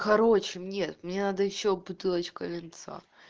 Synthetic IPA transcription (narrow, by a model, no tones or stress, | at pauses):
kɐɾo̞t͡ɕɪmnʲet̪ʊmʲɪnʲenad̪əjɪɕːobʊt̪ɨlˠət͡ɕkəlʲɪnt̪sa̰